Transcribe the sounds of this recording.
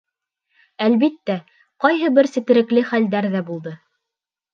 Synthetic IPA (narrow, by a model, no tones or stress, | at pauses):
ælβit̪ːæ | qɑjɦɤbɘɾsɘ̆t̪ɘ̆ɾɘ̆klɘχæld̪æɾðæbulˠd̪ɤ